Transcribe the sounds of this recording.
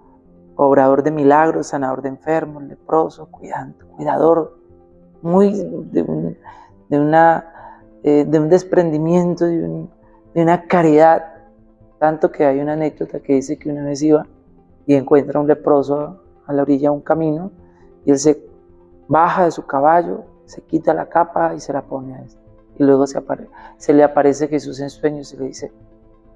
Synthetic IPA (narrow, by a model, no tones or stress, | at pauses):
oβɾað̞o̞ɾd̪e̞milaɣɾo̞sanaðo̞ɾd̪eɱfe̞ɾmole̞pɾo̞sokwiðanokwiðaðo̞ɾ | mujd̪ḛṵn | d̪euna | ed̪eund̪e̞spɾe̞nd̪imjẽ̞nt̪oðeṵn | d̪eunakaɾiðað | t̪ant̪o̞ke̞ajunaːne̞ɡ̚d̪ot̪ake̞ðise̞keunaβe̞s̬iβa | ie̞ŋkwe̞nt̪ɾaunlepɾo̞so | alaoɾiʝauŋkamĩno̞ | ie̞ls̬e̞ | baxaðe̞sukaβaʝo̞ | se̞kit̪ala̰kapaise̞lapo̞neaest̪a | ilwe̞ɣoseapaɾese̞leapaɾe̞se̞xe̞s̬use̞nswe̞ɲoseleðise̞